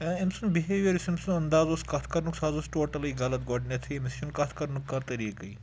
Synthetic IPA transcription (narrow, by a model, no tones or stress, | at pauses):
emsunbiɦeːʋeɾisimsũɐnd̪aːzoːskɐt̪ʰkɐɾnuksaːzosʈoːʈɐliɡɐlɐt̪ɡoːɖnet̪ʰimisjunkat̪ʰkɐɾnukːɐɾt̪ɐɾiːkɐi